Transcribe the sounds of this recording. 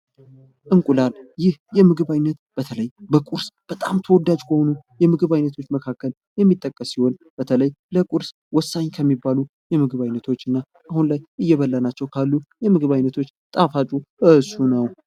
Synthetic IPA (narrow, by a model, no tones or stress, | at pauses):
ʔɨŋkʼulaljɪhjɛmɨɡɨβajnːət̪b̥ət̪ʰələjbəkʼuɾsb̥ət̪ʼamt̪ʰəwɔd̪ːad͡ʒkʰəhonujɛmɨɡɨβajnːət̪ʰo̞t͡ʃːməkʰakːəl | jɛmːit̪ʼːəkʼːəsːiho̞nb̥ət̪ʰələjləkʼuɾs | wɔsːaɲkʰəmːibalu | jɛmɨɡɨβajnːət̪ʰo̞t͡ʃːɨnːa | ʔahunlajʔɨjːɛβəlːənat͡ʃːɛwkʰalːujɛmɨɡɨβajnːət̪ʰo̞t͡ʃːt̪ʼafat͡ʃʼuʔɨsunəw